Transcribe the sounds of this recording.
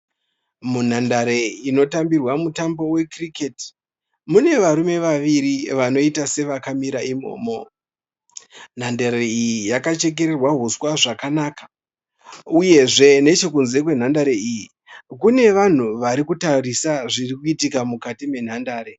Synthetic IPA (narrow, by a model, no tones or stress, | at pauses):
mun̤andaɾe̞ino̞tambirwamutambo̞we̞kriketi̥ | mune̞ʋaɾume̞ʋaʋiɾiʋano̞itase̞ʋakamiɾaʔimo̞̰ːmo̞ | n̤andaɾeijijakat͡ʃe̞k̬e̞ɾerwaɦuswaʐakanaːkḁ | uje̞ʐe̞ne̞t͡ʃo̞kunze̞kwe̞n̤andaɾe̞iji | kune̞ʋan̤uʋaɾikutarisaʐirikuitikamukatime̞n̤andaːɾe